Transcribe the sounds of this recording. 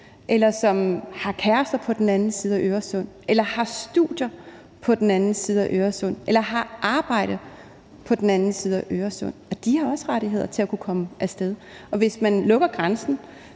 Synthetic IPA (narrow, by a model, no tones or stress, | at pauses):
ʔelɐsɒ̽mhɑ̈kʰæɐsd̥ɐpʰɒ̽d̥en̩ænn̩siːðˠæʔøːɐsɔn̰ | elɐhɑ̈sd̥ṵd̥jɐ | pʰɒ̽d̥enænn̩siːð̞ˠæʔøːɐsɔ̽n̰ʔelɐɦɑ̈ʔɑ̈ːb̥ɑ̈ɪ̰ɾ̥ə | pʰɒ̽d̥enænn̩siːð̞ˠɒʔøːɐsɔn̰ɒ̽d̥ihɑ̈ɒ̽səʁaɾiɦe̝ð̞̰ˠɐt͡sʰe̝lækʰukʰɒ̽məʔæsd̥eðˠ | ɒ̽ʋe̝smænlɔ̽ɡ̥ɐɡ̥ʁansn̩